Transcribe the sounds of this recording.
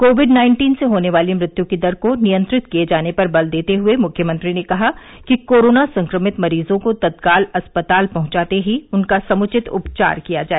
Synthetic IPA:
koːʋɪɖnaːɪ̃ɳʈiːnseɦoːneʋaːlemɾɪt̪jũkid̪ɐɾkonijə̃nt̪ɾɪt̪kijed͡ʒaːnepɐɾbɐld̪eːt̪eɦʊemʊkʰjəmɐ̃nt̪ɾinekɐɦa | kikoːɾoːnasɐ̃ŋkɾəmɪt̪mɐɾiːzõkot̪ɐd̪kaːlɐspət̪aːlpɐ̃ɦʊ̃t͡ʃaːt̪eɦiʊnkasɐmʊt͡ʃɪt̪ʊ̰pt͡ʃa̰ːɾkijad͡ʒaːe

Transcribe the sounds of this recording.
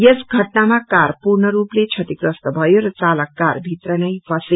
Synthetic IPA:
jʌsɡʱʌʈnamakarpurnʌɾuplet͡sʰʌʈikrʌst̪ʌbʱʌjoɾʌt͡salʌkːarbʱit̪rʌnʌjbʌse

